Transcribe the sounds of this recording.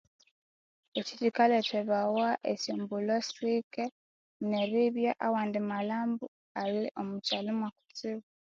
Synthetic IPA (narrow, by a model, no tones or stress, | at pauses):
ecitikaleteβawaʔesuːmbulosɾike | neβiβjaʔawaːndimalaːmbu | aliʔomucalumwaku̥t͡siβa